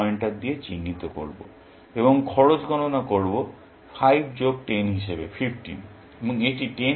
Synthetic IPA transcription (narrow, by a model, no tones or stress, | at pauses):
eɳʈad̪iet͡ɕinːit̪oko̰ɾbo̰ | eβoŋkʰɔɾot͡ɕɡʱɔnonakoɾbo | pʰajbd͡ʑoɡ̚ʈenɦiʃebḛpʰifʰʈḭn | eboŋeʈiʈen